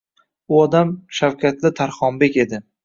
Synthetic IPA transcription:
ʊɒd̪amʃawkʲat̪lɪt̪ʰaɾχɒmbe̞kʲe̞d̪ɪ

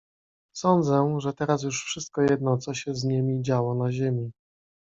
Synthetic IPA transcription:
sɔnd̪zɛʐɛt̪ɛɾas̬juʂfʂɘst̪̚kɔjɛd̪̚nɔt̪sɔɕɛzɲimʲid͡ʑawɔnaʑemʲi

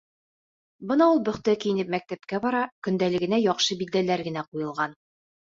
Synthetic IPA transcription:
bɤnɑulˠbɵ̆χt̪ækijɘ̆nɘp̚mæk̚t̪æp̚kæbɒɾɑkɵ̆nd̪ælɘ̆ɡɘ̆næjɒqʃɤbid̪ːælæɾɡɘ̆næqujɤ̆lˠʁɑn

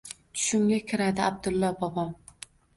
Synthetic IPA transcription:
t͡ʃ̪ʰʊ̥ʃɪmɡʲakʲʰɪɾad̪ɪab̚d̪ʊlˠːɒbɒbɒm

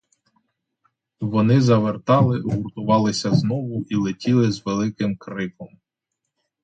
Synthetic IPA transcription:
ʋɔnɪzɐʋert̪ɑlˠɪɦurt̪ʊʋɑlˠɪsʲɐznɔʋʊʔilˠɪtʲilˠɪzʋelˠɪkɪmkɾɪkɔm

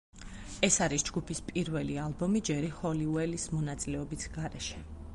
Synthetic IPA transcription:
ɛsaɾisd͡ʒɡupʰispʼiɾvɛlialˠbɔmid͡ʒɛɾihɔliuɛlismɔnat̪sʼilɛɔbisɡaɾɛʃɛ

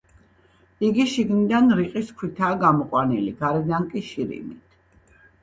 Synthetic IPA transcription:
iɡiʃiɡnid̪anɾiqʼiskʰwit̪ʰaːɡamɔqʼwaniliɡaɾɛd̪aŋkʼiʃiɾḭmit̪ʰ

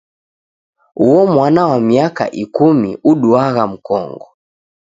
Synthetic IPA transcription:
uɔmwanawamiaka̰ʔikumḭuɗuaɣam̩kɔ̰ŋɡɔ

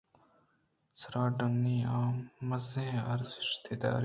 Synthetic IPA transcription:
sɾaːɖonːiːaːmːɐzẽːɐɾzɪʃt̪ʰeːd̪a̰ːɾ

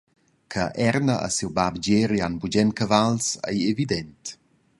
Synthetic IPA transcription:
kʰəʔɛrnəʔə̰siwbabd͡ʒeɾianbud͡ʒɛmkəvalsə̰jevidɛnt

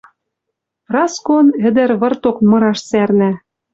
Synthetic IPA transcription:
rɑskonɘ̆d̪ɘ̆ɾβɤ̆rt̪okmɤ̆ɾɑʃsærnæ

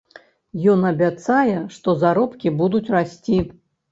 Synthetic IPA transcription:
jɔnɐbʲat̪sajɛʂt̪ɔzaɾɔpkʲibud̪ut͡sʲrasʲt͡sʲi

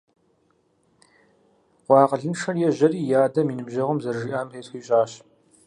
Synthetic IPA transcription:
ʁʷɑːqəɮɨnʂɐrjɛʑɐriːjaːdɐmiːnɨbʑɐʁɐmzɐrʒiʔaːmeːtxiːɕʼaːɕ

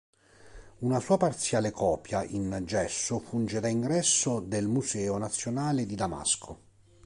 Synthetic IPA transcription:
unasuːapart̪sjaːlekʰɔːpjaʔind͡ʒɛsːʊfund͡ʒed̪aiŋɡɾɛsːod̪elmusɛːonat̪sːjonaːled̪id̪ama̰skʰo

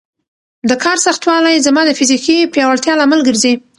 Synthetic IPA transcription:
d̪əkʰɑɾsaxt̪wɑlajzamɑd̪əfizikipjɑwaɽt̪jɑlamalɡəɾzi

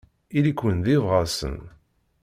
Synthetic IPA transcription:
ilikːwənðivʁasə̰n

